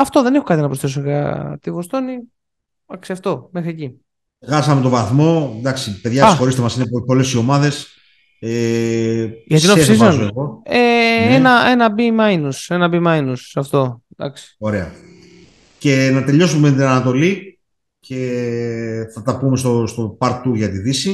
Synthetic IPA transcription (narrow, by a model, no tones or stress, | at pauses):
ɐft̪o̞ðe̞ne̞xokɐt̪inɐpɾosθes̬oɣɐ̰t̪ivost̪o̞ni | ɐksiɐft̪o̞me̞xɾieci | ɣɐsɐmet̪o̞vɐθmo̞d̪ɐksipe̞ðʝɐsxo̞ɾist̪emɐsinepo̞le̞sio̞mɐðe̞s | e | ʝɐt̪ineeszenoeɣo̞eenɐe̞nɐbimɐjnuse̞nɐbimɐjnusɐft̪o̞d̪ɐ̰ksi̥o̞ɾe̞ɐ | ce̞nɐt̪e̞ʎo̞summet̪̬inɐnɐt̪o̞li | ce̞ | θɐt̪ɐpume̞st̪ost̪o̞pɐɾt̪uʝɐt̪iðisi